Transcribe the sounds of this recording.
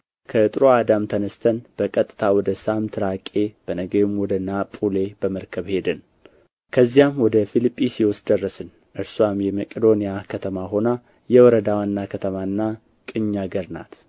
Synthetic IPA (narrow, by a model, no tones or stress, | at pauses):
kʰəɨt̪ʼɨɾoad̪amt̪ʰənəst̪ʰənb̥əkʼət̪ʼːɨt̪ʰawɔd̪əsamt̪ʰɨɾakʼːe̞b̥ənəɡejmwɔd̪ənːapʼule̞bəməɾkʰəβhe̞d̪ɨn | kʰəzːijamwɔd̪əfilipʼːisiwɔst̪d̪ərːəsɨn | ʔɨɾsuamjɛməkʼəd̪o̞nijakʰət̪ʰəmaɦo̞na | jɛwɔɾəd̪awanːakʰət̪ʰəmanːa | kʼɨɲːaɡəɾna̰t̪